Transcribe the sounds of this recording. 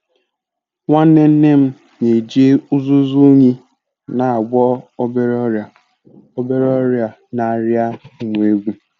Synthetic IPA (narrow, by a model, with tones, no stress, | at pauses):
ŋʷa˦ne˦n̩˦ne˦m̩˦ | ɲe˨d͡ʒe˦u˦zu˦zu˦ɲi˦ | na˨a˨ɡ͡bʷɔ˦be˦ɾ | o˦be˦ɾɔ˦ɾja˨ | na˨ɾja˦˨ŋʷ˨e˦ɡʷu˦